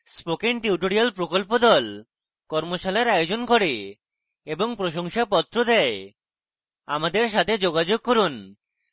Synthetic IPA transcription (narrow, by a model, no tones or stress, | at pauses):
spokeŋʈiuʈoɾialpɾokolpod̪ɔl | kɔɾmoʃalaɾajod͡ʑonkoɾe | eboŋpɾoʃoŋʃapɔt̪ːɾod̪ɛe | amad̪eɾʃ̬at̪ʰed͡ʑoɡad͡ʑoɡ̚koɾun